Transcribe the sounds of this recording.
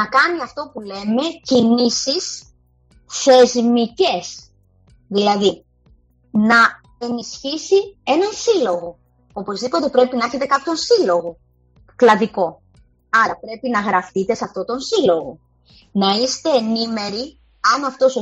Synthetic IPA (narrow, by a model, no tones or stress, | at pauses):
nɐkɐniɐft̪o̞pule̞me̞cinisis | θe̞zmice̞s | ðilɐði | nɐ | e̞nisçisie̞nɐnsilo̞ɣo̞ | o̞po̞zðipo̞t̪e̞pɾe̞pinɐeçe̞t̪e̞kɐpço̞nsilo̞ɣo̞ | klɐðiko̞ | ɐɾɐpɾe̞pinɐɣɾɐfit̪e̞sɐft̪o̞t̪o̞nsilo̞ɣo̞ | nɐist̪e̞ːnime̞ɾi | ɐnɐft̪o̞so